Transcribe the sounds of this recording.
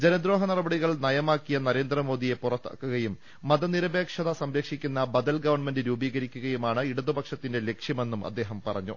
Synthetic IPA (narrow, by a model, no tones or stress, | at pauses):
d͡ʑenɐd̪ɾo̞ːɦɐnɐrɐbɐɽiɣɐɭnɐjɐmaːkːijɐnɐɾe̞ːnd̪rɐmo̞ːd̪ije̞purɐt̪ːa̰ːkːuɣɐjumː | ɐðɐniɾɐbe̞ːkʂɐðɐsɐmɾɐkʂikʲːunːɐbɐd̪ɐlɡɐʋɐrɳmendɨɾuːbiːɣɐɾikʲːuɣɐjumaːɳɨiɽuðubɐkʂɐt̪ːinde̞le̞kʂjɐme̞nːumʔɐ̰d̪ːe̞ːɦɐmpɐrɐ̰ɲːu